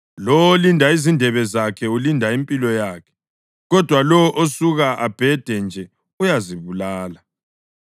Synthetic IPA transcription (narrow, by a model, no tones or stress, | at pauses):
lɔwolindʱaizindʱɛβɛzakʰɛulindʱaimpʼilɔjaːkʰɛ̥ | ɣɔd̥ʱwalɔʔosuɣaʔab̥ʱɛd̥ʱɛnd͡ʒʱɛ | ujaziβulaːla